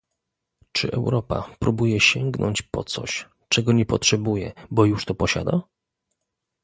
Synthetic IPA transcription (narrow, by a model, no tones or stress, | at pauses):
t͡ʂɘ̰ʔɛwɾɔpa̰pɾubujɛɕɛŋɡnɔ̰ɲt͡ɕpɔ̰t̪sɔ̰ɕ | t͡ʂɛɡɔɲɛpɔtʂɛbujɛ̰bɔjuʂt̪ɔpɔɕa̰d̪a